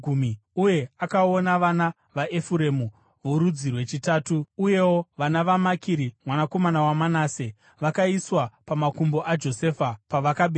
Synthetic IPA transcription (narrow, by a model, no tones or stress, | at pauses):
umiuje̞akao̞naʋana | ʋaʔe̞fuɾe̞mu | ʋoɾud͡zirwe̞t͡ʃitaːtuuje̞wo̞ʋanaʋamakiɾimwanako̞manawamanaːse | ʋakaiswapamakumbo̞ʔad͡ʒo̞se̞fapaʋakaɓe